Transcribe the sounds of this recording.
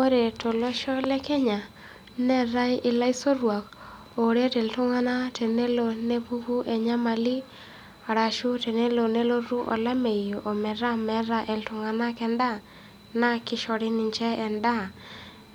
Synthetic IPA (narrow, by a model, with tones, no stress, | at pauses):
o˦ɾe˨to˨lɔ˦ʃɔ˦lɛ˦kɛ˦ɲa˨ | nɛ˦˨ɾa˦jʔɪ˨la˦i˦so˦ɾwa˨k | o˨ɾe˦tɛ˨ltʊ˦ŋa˦na˦te˨ne˦lo˨ne˦pu˦ku˦ʔe˨ɲa˦ma˨li˦ | a˨ɾa˨ʃu˦te˨ne˦lo˨ne˦lo˦ɾu˦ʔɔ̰˨la˦me˨jo˨ʔo˨mɛ˨ɾa˦mɛ˦ɾa˦ʔɛ˨ltʊ˨ŋa˨na˦kɛ˦nda˦ | na˦kɪ˦ʃɔ˨ɾɪ˦nɪ˨ɲt͡ʃɛ˦ɛ˨nda˦˨